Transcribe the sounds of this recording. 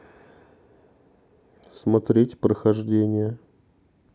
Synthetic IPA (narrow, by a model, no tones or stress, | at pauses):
smɐt̪ɾʲetʲpɾəxɐʐdʲenʲɪjə